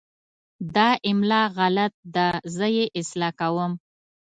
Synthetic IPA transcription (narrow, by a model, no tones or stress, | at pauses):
d̪ɑʔɪmlɑɣalat̪̚d̪azəjeʔɪslɑkawəm